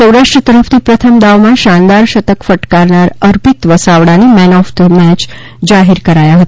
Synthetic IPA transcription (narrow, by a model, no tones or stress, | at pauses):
səwɾaʂʈɾət̪əɾəft̪ʰipɾət̪ʰəmd̪aʋmãʃãnd̪aɾʃət̪əkfəʈkaɾɳaɾəɾpit̪ʋəsaʋɽanimɛnɔft̪mɛt͡ʃ | d͡ʒaɦiɾkəɾajaɦət̪a